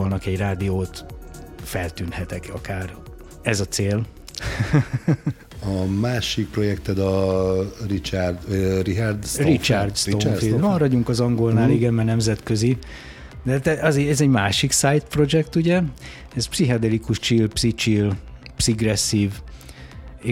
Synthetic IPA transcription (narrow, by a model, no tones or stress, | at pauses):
lnɒkɛɟraːd̪ioːt̪fɛlt̪yːnhɛt̪ɛkɒ̰kaːr | ɛzɒt̪seːl | ɒmaːʃik̚pro̞jɛkt̪ɛd̪ɒ | rit͡ʃard̪riard̪strit͡ʃard̪st̪oimɒɾɒɟuŋkɒzɒŋɡo̞lnaːliɡɛnmɛrnɛmzɛt̪køzi | d̪̥ɛɦaːt̪ɛʔɛzeɛzɛɟmaːʃiksaːjt̪pro̞d͡ʒɛkt̪uɟɛ | ɛzpsiɦɒd̪ɛlikuʃt͡ʃilpsit͡ʃilpsiɡrɛsːiːv | e